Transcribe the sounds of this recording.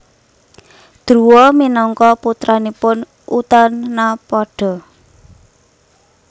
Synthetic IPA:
d̪̥ɾuwɔminɔŋkɔput̪ɾanipʊn | ut̪ɔnːapɔɖ̥ɔ̤

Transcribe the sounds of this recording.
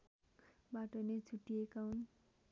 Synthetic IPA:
baʈʌnet͡sʰuʈːijekaɦun

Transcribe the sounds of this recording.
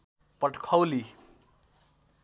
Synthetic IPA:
pʌʈʰkʰʌwli

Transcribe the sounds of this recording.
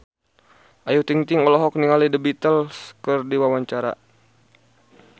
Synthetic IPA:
ʔajut̪iŋt̪iŋɔlɔɦɔk̚niŋalidəbit̪əlskərdiwawaɲt͡ʃaɾa̰

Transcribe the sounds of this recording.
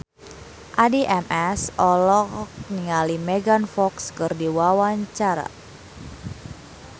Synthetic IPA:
ʔadiʔɛmɛsɔlɔk̚niŋalimɛɡanfɔkskɨrdiwawaɲt͡ʃaɾa̰

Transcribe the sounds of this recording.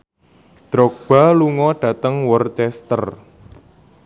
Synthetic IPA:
d̪̥ɾɔk̚b̥a̤luŋɔɖ̥ä̤t̪əŋwɔrt͡ʃɛst̪ər

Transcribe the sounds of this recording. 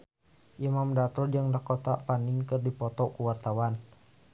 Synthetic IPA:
ʔimamdat̪ɔd͡ʒɨŋdahkɔt̪afaniŋkərdipɔt̪ɔkuwart̪awan

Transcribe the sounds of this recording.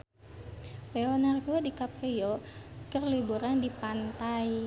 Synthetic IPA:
lɛonarɡodikapriokərlibuɾandipant̪aj

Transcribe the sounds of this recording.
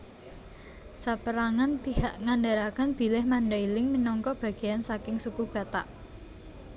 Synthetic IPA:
sapəɾaŋanb̥ihaʔŋaɳɖaɾakənb̥i̤lɪhmaɳɖailɪŋminɔŋkɔb̥ä̤ɡ̥e̤jansakɪŋsukub̥a̤t̪a̰ʔ

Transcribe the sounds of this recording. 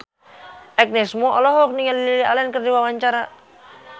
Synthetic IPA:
ɛk̚nɛsmɔʔɔlɔɦɔk̚niŋalililialankərdiwawaɲt͡ʃaɾa

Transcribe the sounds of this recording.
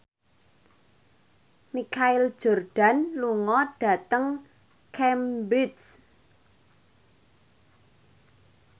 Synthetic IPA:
mikaɪld̥ʒ̥ɔ̤rɖ̥a̤nluŋɔɖ̥a̤t̪əŋ | kʰɛmbɾɪs

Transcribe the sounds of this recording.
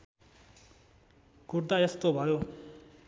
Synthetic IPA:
kurd̪ajʌst̪obʱʌjo

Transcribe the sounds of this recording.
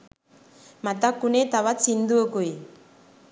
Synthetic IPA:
mat̪akːunet̪aβat͡sind̪uokoj

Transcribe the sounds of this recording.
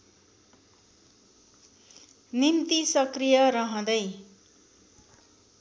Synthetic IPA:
nimt̪isʌkrijʌɾʌɦʌ̃d̪ʌj

